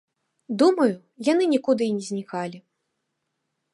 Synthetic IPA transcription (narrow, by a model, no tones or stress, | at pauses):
d̪umɐju | janɨnʲikud̪ɨinʲɛzʲnʲikalʲi